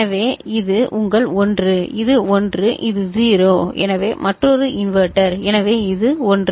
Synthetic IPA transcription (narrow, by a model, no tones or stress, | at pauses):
ɐʋeːɪðɯʔʊŋɡɐɭɔndrɯɪðɯɔndrɯʔɪðɯziːɾoːɛ̰nɐʋeːmɐʈrɔɾɯɪnʋɐɾʈɐɾɛnɐʋeːɪðɯɔndr